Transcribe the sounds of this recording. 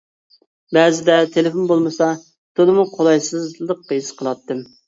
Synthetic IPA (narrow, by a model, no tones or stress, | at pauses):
bɛzɪd̪ɛt̪ʰelɪfonbolˠmɨsɑ | t̪ʰolˠɨmuqʰolˠɑjsɨzlˠəq̚ːəjisqʰəlˠɑt̪ːɨm